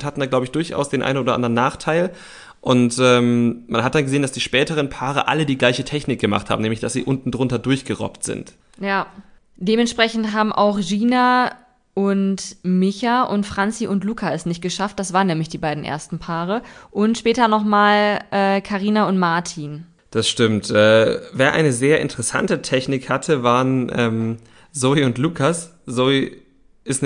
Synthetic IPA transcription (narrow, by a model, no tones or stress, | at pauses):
thatn̩daːɡlaʊbəɪçd̥ʊɐçʔa̰ʊsd̥eːnʔa̰ɪnoːdɐʔa̰ndʁənːaːχtʰaɪl | ʔʊntʔɛːmmanɦat̚d̥anɡəzeːənd̥asd̥iːʃpɛːtəʁ̞ənpʰaːʁ̞ə̰ʔa̰lədiːɡlaɪçətʰɛçnɪk̚ɡ̥əma̰χtha̰ːm̩nɛːmlɪçd̥asz̥ḭːʔʊntn̩dʁʊntɐdʊɐçɡ̥əʁɔ̰ptz̥ɪ̰nt | jaː | d̥eːmɛntʃpʁ̥ɛçn̩tɦaːbm̩ʔa̰ʊxʒiːna | ʔʊntmɪçaʔʊntfʁ̥ant͡siʔʊntluːkʰaɛsnɪçt̚ɡ̥əʃaft̚d̥asv̥aːɐənɛːmlɪçd̥iːbaɪdn̩ʔḛːɐstn̩pʰaːʁ̞əʔʊntʃpɛːtɐnɔχmaːlʔɛːkʰaʁiːnaʊntmaɐtʰiːn | d̥asʃtɪmtʔɛːveːɐʔa̰ɪnəzeːɐʔɪ̰ntəʁɛsa̰ntətʰɛçnɪkhatʰəvaːʁənʔɛːm | zoːiʊntluːkʰas | zoi | ʔɪst